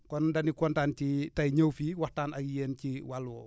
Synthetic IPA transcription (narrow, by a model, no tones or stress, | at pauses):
kɔndɐnikɔntaːncitajɲəwfiːwahtaːnajeːnciwalwɔ̰